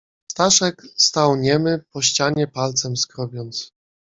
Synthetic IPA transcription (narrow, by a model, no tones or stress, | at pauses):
st̪aʂɛkst̪awɲɛmɘpɔɕt͡ɕaɲɛpalt̪sɛmskɾɔbʲjɔnt̪s